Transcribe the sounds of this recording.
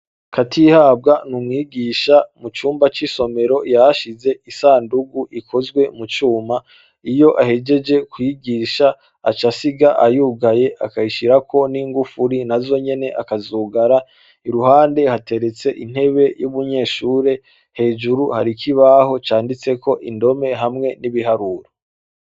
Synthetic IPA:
kʰatʰihaːb̚ɡanumŋiːɡiːʃamut͡ʃuːmbat͡ʃiso̞me̞ɾo̞jaaʃize̞isaːnduɡuʔikʰo̞zɡwe̞mut͡ʃuːma | ijo̞ʔahe̞d͡ʒe̞d͡ʒe̞kwiɡiːʃaː | t͡ʃasiɡaʔajuːɡaje̞ʔa̰kaiʃiɾakʰo̞niːŋɡufuɾinazo̞ɲe̞ne̞ʔakazuːɡaɾa | iɾuhaːnde̞hate̞ɾe̞t͡se̞ʔin̥he̞βe̞juβuɲe̞ːʃuːɾe̞ | he̞ːʒuɾuhaɾikʰiβaho̞t͡ʃaːndit͡se̞ko̞ʔindo̞me̞ɦamŋe̞niβiɦaɾuɾo

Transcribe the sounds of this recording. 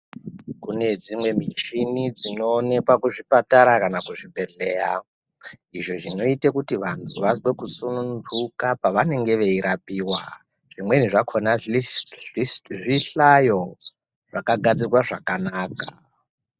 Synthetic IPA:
kune̞d͡zimwe̞mit͡ʃinid͡zino̞ːne̞kwakuʐipataɾakanakuʐibʱe̞ɮe̞ːja̰ | iʐo̞ʐino̞itekutiʋantʰuʋazwe̞kusunundukapaʋane̞ŋɡe̞ʋe̞iɾapiːwa | ʐ̥imwe̞niʐakʰona | ʐiɬajo̞ | ʐ̥akaɡʱad͡zirwaʐakanakḁ

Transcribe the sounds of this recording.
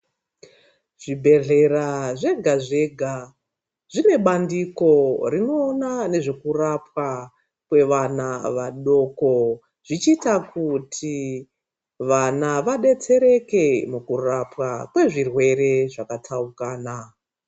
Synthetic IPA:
ʐ̥ibʱe̞ɮe̞raʐe̞ɡʱaʐe̞ɡʱa | ʐine̞ɓandiko̞rino̞ːnane̞ʐe̞kurapwa | kwe̞ʋanaʋaɗo̞ːko̞ | ʐ̥it͡ʃitakutʰi | ʋanaʋaɗe̞t͡se̞ɾe̞ke̞mukurapwakwe̞ʐirwe̞ɾe̞ʐakatʰaukaːna

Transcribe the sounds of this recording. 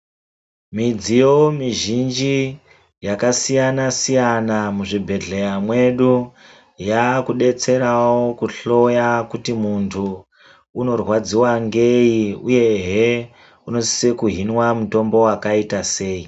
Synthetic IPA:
mid͡zijo̞miʒind͡ʒi | jakasijanasijanamuʐibʱe̞ɮejamwe̞ɗu | jakuɗe̞t͡se̞ɾawo̞kuɬo̞jakutimuntʰuː | no̞rwad͡ziwaŋɡe̞iuje̞ɦe | uno̞si̥sekuɦinwamuto̞mbo̞wakaitase̞ːi

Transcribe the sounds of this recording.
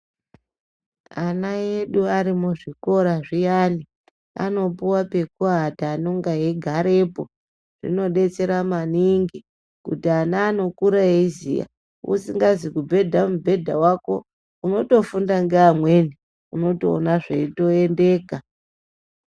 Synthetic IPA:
anaje̞ɗuaɾimuʐiko̞ɾaʐijani | a̰no̞puwape̞kuɦataːno̞ŋɡaɦeɡʱaɾe̞po̞ | ʐ̥ḭno̞ɗe̞t͡se̞ɾamaniŋɡi | kṵtianaːno̞kuɾaeizḭja̰ | ṵsiŋɡazikubʱe̞dʱamubʱe̞dʱawako̞ | uno̞to̞fundaŋɡeamwe̞ni | uno̞to̰ːnaʐḛito̞ende̞ːka

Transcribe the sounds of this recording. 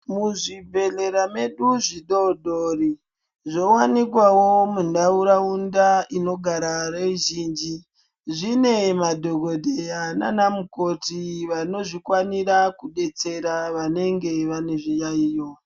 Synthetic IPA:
muʐibʱe̞ɮe̞ɾame̞ɗuʐiɗodori | ʐo̞wanikwawomundauɾaundaino̞ɡʱaɾareʒiːnd͡ʒi | ʐine̞madʱoɡʱo̞dʱejana̰namuko̞tiʋano̞ʐikwaniɾakuɗe̞t͡se̞ɾaʋane̞ŋɡe̞ʋane̞ʐijaijo

